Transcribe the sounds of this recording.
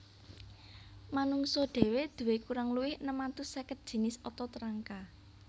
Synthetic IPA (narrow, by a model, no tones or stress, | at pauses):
manuŋsɔɖ̪̥e̤wed̪̥ṳwekuɾaŋluwɪhnəmant̪usɛkət̪̚d̥ʒ̥i̤nɪsɔt̪ɔt̪əɾaŋka